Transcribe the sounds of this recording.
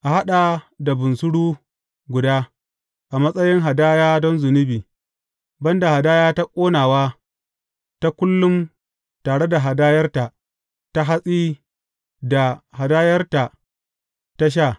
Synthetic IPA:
ʔa˨ha˦ɗa˨da˨bʊ˨nsʊ˦ɽuː˦ | ɡʷʊ˨daː˦ | ʔa˨mɐ˦sʼɐ˦jɪ˦ŋɦa˨daː˦jaː˦dɔ˦nzʊ˨nɪ˦biː˨ | bɐ˦nda˨ha˨daː˦jaː˦ta˦kʷʼoː˦naː˨waː˦ | ta˦kʷʊ˦lːʊ˦m | taː˨ɽe˦da˨ɦa˨daː˦jɐ˦rta˨ʔ | ta˦ɦa˦sʼiː˦ | da˨ha˨daː˦jɐ˦rta˨ | ta˦ʃ̬aː˦˨

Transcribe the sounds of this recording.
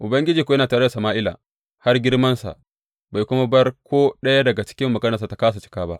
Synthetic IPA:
ʔʊ˨bɐ˦ŋɡʲɪ˦d͡ʒiː˨kʷo˨jɐ˦naː˨taː˨ɽɐ˦da˨sɐ˨maː˦ʔɪ˦la̰˨ | ha˦rɡʲɪ˦ɽmɐ˦nsa̰˨ʔ | baː˨jkʷʊ˦ma˦bɐ˦rkʷoː˦ɗɐ˦ja˦dɐ˨ɡa˨t͡ʃɪ̥˦kʲɪ˦mːɐ˨ɡɐ˦nɐ˨sa˨ta˨kaː˦s̬a˨t͡ʃɪ̥˦kaː˦ba̰˦ʔ

